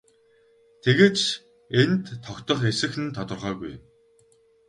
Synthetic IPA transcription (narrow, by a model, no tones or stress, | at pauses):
t̪ʰeɣeːt͡ɕ | ent̪ʰːɔkt̪ɞ̆χesɘ̆xɘ̆nt̪ʰɔt̪ɞ̆rʁœːɣujm